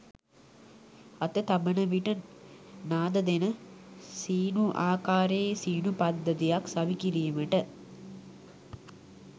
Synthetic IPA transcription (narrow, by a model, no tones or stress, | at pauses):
ɐt̪ət̪abənəʋiʈə | naːd̪əd̪enəsiːnuʔaːkaːɾeːsiːnupad̪ːət̪ijaksaʋikiɾiːməʈə